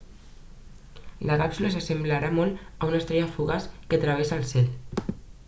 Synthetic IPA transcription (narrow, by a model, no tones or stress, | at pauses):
ləɣapsuləs̬əsəmblaɾamɔləunəst̪ɾɛaəfuɣaskət̪ɾəβ̞esəːlˠsɛl